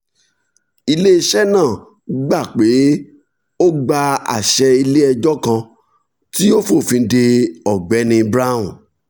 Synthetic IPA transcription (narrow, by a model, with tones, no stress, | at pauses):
i˧le˦i˧ʃɛ˦nãː˦˨ | ɡ͡ba˦˨k͡pe˨˦ | o˦ɡ͡ba˧a̰˨ʃɛ˧i˧le˦ɛ˧d͡ʒɔ˦kã˧ | ti˦o˦fo˦˨fĩ˧˦de˧ɔ˨ɡ͡bɛ˨˦nĩ˧bɾa˦ṵ̃˦˨